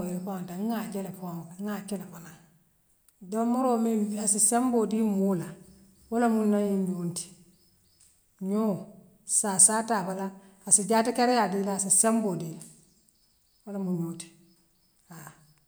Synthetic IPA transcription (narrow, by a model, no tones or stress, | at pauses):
jfataŋŋad͡ʒɛlefaŋlaŋat͡ʃɛlafana | damoɾoːmeasisembodimoːla | walamunajimjonti̥ | ɲoː | sasataːbalaː | sɪd͡ʒaːtikaɾɪjadilaːsisembodila | walamuɲoːti̥ | a